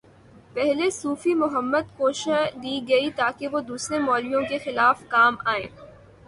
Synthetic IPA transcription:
pɛɦlesuːfimʊɦəmːəd̪̚koːʃd̪iɡɐit̪aːkeʋod̪uːsɾemɔːlijõkexɪlaːfkaːmaːḛ̃ː

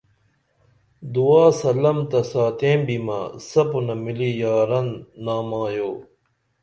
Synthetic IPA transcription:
d̪uaːsɐlɐmt̪ɐsaːt̪ẽːbima̰sɐpunɐmilijaːɾɐnːaːmaːjoː

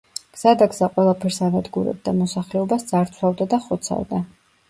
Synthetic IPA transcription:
ɡ̥z̥ad̪aɡzaqʼwɛlˠapʰɛɾsanad̪ɡuɾɛ̰b̚d̪amɔsaχlɛɔbasd̪z̥aɾt̪sʰwavd̪ad̪aχɔt̪sʰa̰vd̪a

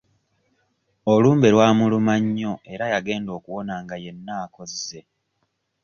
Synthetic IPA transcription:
oluːmbe̞lwaːmulumaɲːoe̞ɾajaɡe̞ːndo̞ːkuwo̞naŋɡaje̞nːaːko̞zze̞

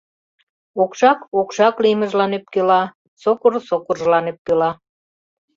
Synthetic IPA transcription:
okʃɑkokʃɑkliməʒlɑnyp̚kølɑ | sokorsokorʒlɑnyp̚kølɑ

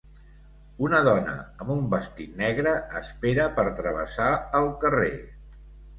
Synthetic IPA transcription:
unəðɔnə̰əmumbəst̪inɛɣɾəːspeɾəpəɾt̪ɾəβə̰saəlˠkəre

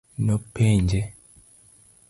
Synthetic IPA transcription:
nopːeːɲɟe

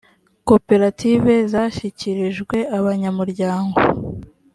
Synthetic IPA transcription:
ko̞pe̞ɾatʰive̞zaːʃiciɾiʒɡwe̞aβaɲamuɾɟaːŋɡo̞

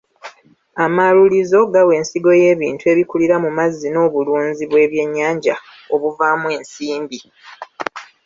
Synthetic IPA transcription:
amalulizo̞ɡawe̞ːnsiɡo̞je̞ːβiːntue̞ːβikuliɾamumazːino̞ːβuluːnziβwe̞ːβje̞ɲːaːɲɟa | o̞βuvaːmwe̞ːnsiːmbi

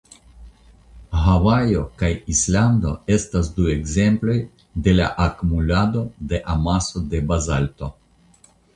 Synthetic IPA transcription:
ɦavajo̞kajisland̪o̞̰e̞stasd̪ue̞ɡze̞mplo̞j | d̪e̞la̰ʔakumulad̪o̞d̪e̞ʔamaso̞d̪e̞bazalto̞

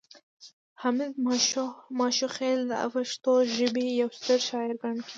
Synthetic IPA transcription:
hɑmɪd̪ | mɑʃuxeld̪əa̰faʃt̪oʒɪbijawst̪əɾʃɑɪɾɡaɳkʰi

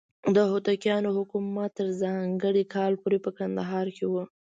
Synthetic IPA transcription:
d̪əɦʊt̪akjɑnohʊkumat̪ːəɾzɑŋɡəɽikʰɑlpoɾepəkand̪aɦɑɾkewə

